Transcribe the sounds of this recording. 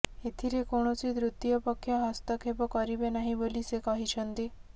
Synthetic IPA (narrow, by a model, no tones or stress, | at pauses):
et̪ʰiɾekoɽ̃ot͡ʃid̪ɾut̪ːijɔpəkʰːjəɦɔst̪ɔkʰepɔkɔɾibenaɦĩbolisekɔɦit͡ʃʰənt̪i